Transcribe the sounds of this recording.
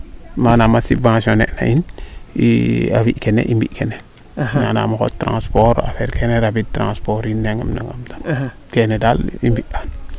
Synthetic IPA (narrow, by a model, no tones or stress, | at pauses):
manamasivãsõnḛʔna̰ʔinḭa̰wiʔkenḛʔimbiʔkene | na̰na̰maxo̰tːɾã̰spoɾa̰feɾkʰeneɾabid̚tɾã̰spoɾinːeŋa̰mna̰ŋamtḁ | kenedalḭmbiʔan